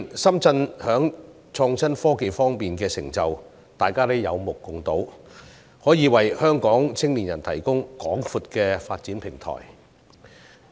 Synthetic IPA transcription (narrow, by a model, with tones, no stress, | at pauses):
nsɐ˥mt͡sɐ˧nhœː˨˥ŋ | t͡sʰɔː˧ŋt͡sʰɐ˥nfɔː˥ke˨jfɔː˥ŋpiː˨nkɛː˧sɪ˨˩ŋt͡sɐ˨w | t̪aː˨jkaː˥lɛ˥jɐ˨˧wmʊ˨˩kːʊ˨˩ŋt̪o˨˥w | hɔː˨˥jiː˨˧wɐ˨jhœː˥ŋkɔː˨˥ŋt͡sʰɪ˥ŋliː˨˩njɐ˨˩nt̪ʰɐ˨˩jkʊ˥ŋkɔː˨˥ŋfuː˧t̚kɛː˧faː˧t̚t͡siː˨˥npʰɪ˨˩ŋt̪ʰɔ̰ː˨˩j